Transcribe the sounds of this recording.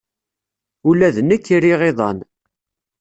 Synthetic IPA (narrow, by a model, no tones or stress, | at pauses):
ulæðnəkːiɾiʁeðˤɑ̰n